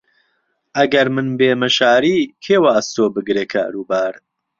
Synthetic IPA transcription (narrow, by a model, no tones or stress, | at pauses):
ʔɐɡɐɾmɨnbeːmɨʃaːɾiːkʰeːwaːst̪oːbɨɡɾeːkʰa̰ːɾuːbaːɾ